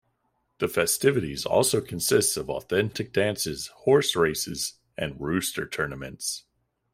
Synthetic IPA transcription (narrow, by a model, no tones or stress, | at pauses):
ðɨfɛstɪvɨɾizɔ̰lˠsoʊkʰn̩sɪstsʌvɔ̰θɛ̃ntɨk̚d̥æ̃nsɪz̥hɔɹsɹeɪsɨz | ʔɨ̃nɹʉstə˞tʰɜ˞nəmɨ̰̃nts